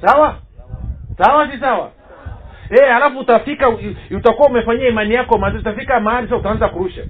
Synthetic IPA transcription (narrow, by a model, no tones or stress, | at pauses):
sawa | sawas̬is̬awa̰ | ɛhalafutafikautakuwaumɛfaɲiaimanijakɔmazɔutafikamahaɾisasautaanzakuɾuʃa